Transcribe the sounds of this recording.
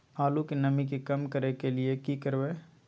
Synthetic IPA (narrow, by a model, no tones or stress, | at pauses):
aːlukenɐmĩkikɐmkəɾekelɪekikəɾʋeː